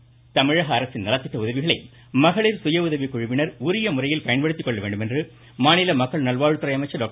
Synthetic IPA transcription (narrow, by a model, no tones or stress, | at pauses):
t̪ɐmɪɻɐɣɐːɾɐsɪnnɐlɐt̪ːɪʈ̪ːɐʊðɐʋɪɣɐɭɐɪ | mɐɣɐɭɪɾsʊjɐʊðɐʋikːʊɻɪʋɪnɐɾʊɾɪjɐmʊrɐjɪlkɐjɐnpɐɽɯt̪ːikːɔɭːɐʋeːɳɖɯmendrɯ | maːnɪlɐmɐkːɐɭnɐlʋaːɻɯt̪ːɪɾrɐjɐmɐɪt͡ʃːɐɖoːk